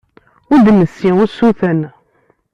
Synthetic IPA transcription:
ʊɾd̪nəsiʊɾsuθən

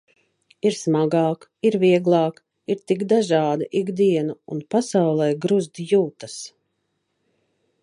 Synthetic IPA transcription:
iɾsmaɡɑːk | iɾviɛɡlˠɑːk | iɾt̪iɡd̪aʒɑːd̪aʔiɡd̪iɛnaṵnpasawlˠɛjɡɾuzd̪juːt̪as

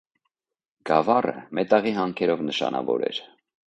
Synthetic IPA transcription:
ɡ̥ɑvɑrə̰mɛt̪ɑʁiɦɑŋkʰɛɾɔvnəʃɑnɑvɔɾɛ̰ɾ

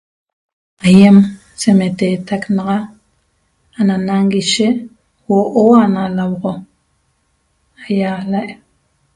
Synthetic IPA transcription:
ajem | semet̪et̪aknɑʁɑ | ananaŋɡiʃeʔ | woʔoanalawʁo | ajalaʔ

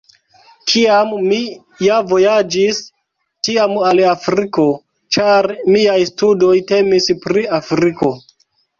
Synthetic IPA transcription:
kʰiamːi | javo̞jad͡ʒis | tiamalafɾiko̞ | t͡ʃaɾmiajstudo̞jte̞mispɾiafɾiko̞

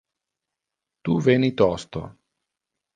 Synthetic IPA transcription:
t̪uvenit̪ɔst̪o̰

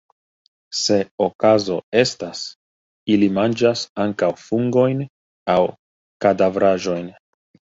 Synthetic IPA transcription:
se̞okazo̞e̞stas | ilimand͡ʒasaŋkawfuŋɡo̞jn | aw | kadavɾaʒo̞jn

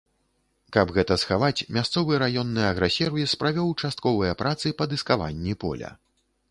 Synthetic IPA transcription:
kɐbɣɛt̪ɐsxavat͡sʲmʲast̪sɔvɨɾajɔnːɨjɐɣɾɛsʲɛrvispɾavʲɛwt͡ʂast̪̚kɔvɨjɐpɾʔat̪sɨpɐd̪ɨskava̰nʲːipɔ̰lʲɐ̰

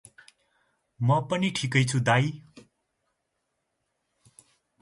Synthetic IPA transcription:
mʌpʌniʈʰikʌjt͡sʰud̪aj

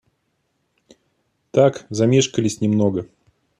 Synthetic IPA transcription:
t̪akzɐmʲeʂkəlʲɪsʲnʲɪmnoɡə

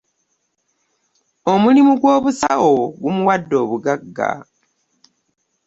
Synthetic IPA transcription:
o̞mulimuɡwo̞ːβusa̰oɡumuwadːo̞ːβuɡaɡːa̰

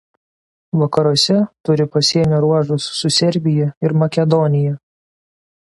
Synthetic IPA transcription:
ʋɐkɐɾuɔsʲɛt̪ʊɾʲɪpɐsʲiɛnʲʊɾuɔʒʊsːʊsʲɛɾʲbʲɪjɛɪɾmɐkʲɛd̪ɔnʲɪjɛ

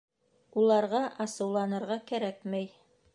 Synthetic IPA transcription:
ulˠɑɾʁɑʔɑsɤ̆wlˠɑnɤ̆ɾʁɑkæɾækmæj

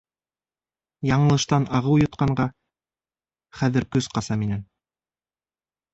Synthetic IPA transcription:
jɑɴɤ̆lˠɤ̆ʃt̪ɑnɑʁɤwjŏt̪̚qɑɴɢɑ | χæðɘɾkɵz̥qɑsɑminæn

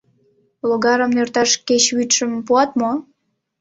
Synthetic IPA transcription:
loɣɑɾə̆mnørt̪ɑʃket͡ɕβyt̪ʃəmpuɑt̪mo

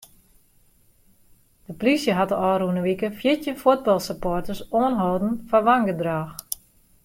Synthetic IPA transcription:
d̥əplisjəɦatəɔːɾunəʋikəfjɪtjəfod̚bɔlˠsəpotəsoənɦoːdn̩faʋaŋɡədraːx

